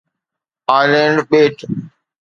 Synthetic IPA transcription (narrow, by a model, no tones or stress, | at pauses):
aːɪlẽːɳɖɓeːʈ